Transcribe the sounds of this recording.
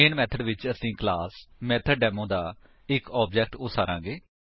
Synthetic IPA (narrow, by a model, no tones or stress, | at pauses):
eːɳmɛːt̪ʰəɖʋɪt͡ʃəsĩːklaːsmɛːt̪ʰəɖɖɛːmõːd̪aː | ɪkɔːb̚d͡ʒɛːk̚ʈʊsaːɾãːɡeː